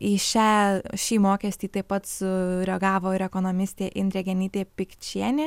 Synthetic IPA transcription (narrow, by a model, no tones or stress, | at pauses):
ɪʃʲæːʃʲiːmoːkʲɛsʲt̪ʲiːt̪ɐɪpɐt̪sʊɾʲɛɡɑːʋoːɪɾɛkoːnoːmʲɪsʲt̪ʲeːʔɪnʲd̪ɾʲɛɡʲɛnʲɪt̪ʲeːpʲɪkt͡ʃʲiɛnʲeː